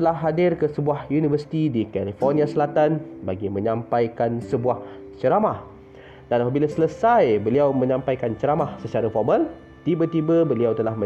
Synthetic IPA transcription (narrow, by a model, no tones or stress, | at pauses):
t̪əlahɦadɪrkəsəbuahjunivəsi̥t̪idikalifɔrniasəlat̪anbaɡimə̃ɲãmpajkansəbuah | t͡ʃəɾamah | d̥anapabilasələsajbəliawmə̃ɲãmpajkant͡ʃəɾamahsət͡ʃaɾafɔrməl | t̪ibət̪ibəbəliawt̪əlahmə